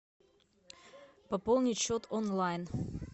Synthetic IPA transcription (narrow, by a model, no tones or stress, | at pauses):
pɐpolˠnʲɪtʲɕot̪onlˠajn